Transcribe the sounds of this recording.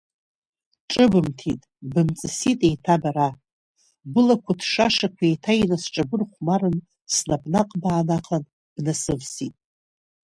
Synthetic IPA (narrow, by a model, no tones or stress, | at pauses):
ʈ͡ʂʼɨbɨmtʰḭtʼbɨmt͡sʼɨsitʼejtʰabaɾa | bɨlakʷʰatʰʂaʂakʷʰaejtʰajnasʈ͡ʂʼabɨrχʷmarɨn | snabnaqʼbaːnaqʰan | b̥nasɨvsitʼ